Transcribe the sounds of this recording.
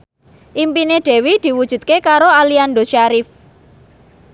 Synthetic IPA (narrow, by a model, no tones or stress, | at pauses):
ʔimpineɖ̪̥ɛ̤wid̪̥i̤wud̥ʒ̥ṳt̪̚kekaɾoaliand̪oʃaɾif